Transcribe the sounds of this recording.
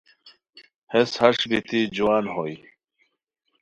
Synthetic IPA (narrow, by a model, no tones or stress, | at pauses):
heshɐʂbit̪id͡ʑuaːnɦoj